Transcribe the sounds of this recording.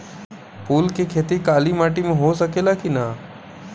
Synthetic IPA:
puːlkekʰeːt̪ikaːlimaːʈimẽɦosəkeːlakinaː

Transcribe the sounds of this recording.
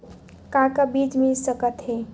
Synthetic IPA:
kãkəbid͡ʒmisəkət̪ɦe

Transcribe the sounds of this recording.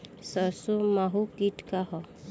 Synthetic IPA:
səsumaɦukiʈkaɦɔ

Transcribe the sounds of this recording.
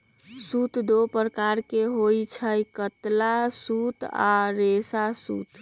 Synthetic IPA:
sut̪d̪opɾəkaɾkeɦojt͡ʃʰəjkət̪lasut̪a̰ɾesasṵt̪ʰ

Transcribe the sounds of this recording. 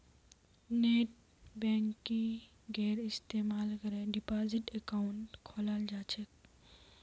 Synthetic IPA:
neːʈ | bɛ̃ːŋkːi | ɡɛːɾɪst̪eːmaːlkəɾẽɖɪpaːzɪʈekaʊɳʈkʰoːlaːld͡ʒaːt͡ʃʰek

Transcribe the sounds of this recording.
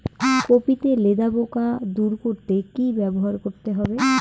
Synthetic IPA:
kopit̪eled̪abokad̪uɾkoɾt̪ekibɛboɦaɾkoɾt̪eɦɔbe

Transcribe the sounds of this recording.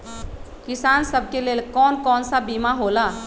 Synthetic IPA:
kɪsansəb̚ʱkeleːlkɔːnkɔːnsabimaɦola

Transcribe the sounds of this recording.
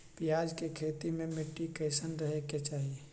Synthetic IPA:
pɪjaːd͡ʒkekʰeːt̪imẽmɪʈːikəɪsənɾəɦeket͡ʃaːɦie

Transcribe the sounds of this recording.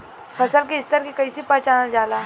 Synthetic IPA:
pʰɐsəlkeɪst̪əɾkekɐisipaːt͡ʃaːnad͡ʒaːlaː

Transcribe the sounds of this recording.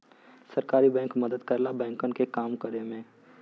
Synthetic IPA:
sɐɾkaːɾibɛ̃ːŋkmɐd̪əd̪kəɾlabɛ̃ːŋkənkekaːmkəɾemẽ

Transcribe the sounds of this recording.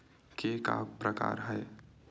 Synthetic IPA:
keka̰pɾəka̰ːɾɦɛː

